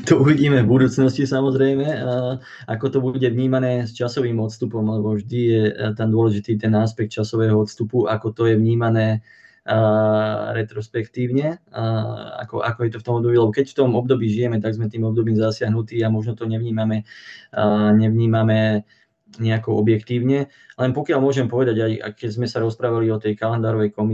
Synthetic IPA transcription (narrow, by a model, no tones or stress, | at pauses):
t̪ɔuʋiɟiːmɛvbud̪uːt͡snɔscisamɔzɾɛjmɛ | akɔt̪ɔbuɟɛʋɲiːmanɛːst͡ʃasɔʋiːmɔt̪st̪upɔmlɛbɔvʒd̪ijɛt̪and̪ʊɔlɛʒit̪iːt̪ɛnaspɛk̚t̪t͡ʃasɔʋɛːɦɔɔt̪st̪upuʔakɔt̪ɔjɛʋɲiːmanɛː | ɾɛt̪ɾɔspɛkt̪iːʊɲɛ | a̰kɔ̰ʔa̰kɔjɛt̪ɔft̪ɔmɔbd̪ɔbiːlɛbɔkɛcft̪ɔmɔbd̪ɔbiːʒijɛmɛt̪aɡzmɛt̪iːmɔbd̪ɔbiːmzasɪaɦnut̪iːamɔʒnɔt̪ɔɲɛʋɲiːmamɛ | ɲɛʋɲiːmamɛ | ɲɛakɔɔbjɛkt̪iːʊɲɛ | lɛnpɔkɪalmʊɔʒɛmpɔʋɛd̪aɟaja̰kɛzmɛsaɾɔspɾaːʋaliɔt̪ɛjkalɛnd̪aːɾɔʋɛjkɔmi